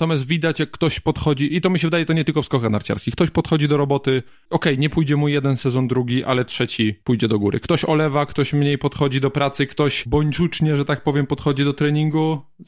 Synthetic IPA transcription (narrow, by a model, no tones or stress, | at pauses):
t̪ɔmjas̬t̪vʲid̪at͡ɕjakːt̪ɔɕpɔt̪xɔd͡ʑiʔit̪ɔmʲiɕ̬ɛvɘd̪ajɛt̪ɔɲɛt̪ɘlkɔfskɔxanaɾt͡ɕa̰ɾskʲixk̚t̪ɔɕpɔt̪xɔd͡ʑid̪ɔɾɔbɔt̪ɘ | ɔkɛjɲɛpujd͡ʑɛmujɛd̪ɛnsɛzɔnd̪ɾuɡʲiʔalɛtʂɛt͡ɕipujd͡ʑɛd̪ɔɡuɾɘ̰kt̪ɔɕɔlɛvakt̪ɔɕmɲejpɔt̪xɔd͡ʑid̪ɔpɾat̪sɘkt̪ɔɕbɔɲʲt͡ʂut͡ʂɲɛʐɛt̪ak̚pɔvʲjɛmpɔt̪xɔd͡ʑid̪ɔt̪ɾɛɲiŋɡu